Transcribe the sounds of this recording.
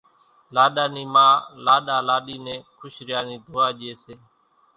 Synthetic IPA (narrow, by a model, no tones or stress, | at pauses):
laːɗaːniːmãːlaːɗaːlaːɗiːnẽːkʰʊʃɾɪjaːniːd̪ʱoːaːʄɪeːseː